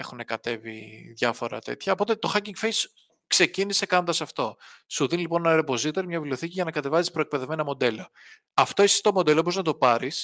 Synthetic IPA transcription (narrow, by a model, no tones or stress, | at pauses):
e̞xune̞kɐt̪e̞vḭðʝɐfo̞ɾɐ̰t̪e̞̰t̪çɐopo̞t̪e̞t̪o̞xɐciŋɡfejs | kse̞cinise̞kɐno̞nd̪ɐsɐft̪o̞suðinilipo̞nenɐɾepo̞zit̪eɾimɲɐvileo̞θiciʝɐnɐkɐt̪e̞vɐzispɾoek̚pe̞ðe̞vme̞nɐmo̞d̪e̞lo | ɐft̪oisst̪omo̞d̪e̞lop̬oznɐt̪opɐɾis